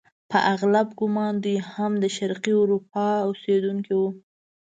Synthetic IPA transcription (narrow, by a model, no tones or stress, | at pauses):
pəʔaɣlabɡʊmɑnd̪ijhamd̪əʃaɾqiʊɾup̚ɑosed̪uŋkiwu